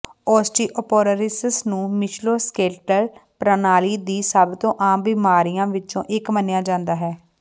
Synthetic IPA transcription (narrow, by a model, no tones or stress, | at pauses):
ɔːsʈiːʔɔpoːɾəɾɪssnũːmɪt͡ʃʰloːskeːʈəlpɾənaːliːd̪iːsaːbt̪õːʔaːmbɪmaːɾijãːʋɪt͡ʃõ̰ːʔɪkmənjaːd͡ʒãːnd̪aːɦɛː